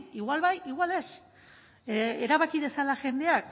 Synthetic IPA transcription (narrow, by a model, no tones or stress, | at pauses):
iɣwalβajiɣwale̞s | eɾaβakiðe̞salaʝe̞nd̪e̞ak